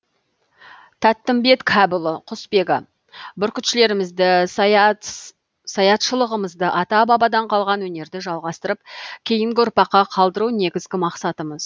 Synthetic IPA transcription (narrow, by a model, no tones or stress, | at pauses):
t̪ʰæt̪ːɪmbe̞t̪kʲʰæbʊlˠəqʰʊspe̞ɡɪ̰ | bʏɾkʲʏt̪ʃɪle̞ɾɪmɪzd̪ɪ | sɑjɑt̪ʃəlˠəʁəməzd̪əʔɑt̪ɑbɑbɑd̪ɑɴqʰɑlˠʁɑnwɵne̞ɾd̪ɪʒɑlˠʁɑst̪əɾəp̚kʲʰe̞jɪŋɡʲɪʊɾpɑqːɑqʰɑlˠd̪əɾune̞ɡʲɪzɡʲɪmɑqsɑt̪əməz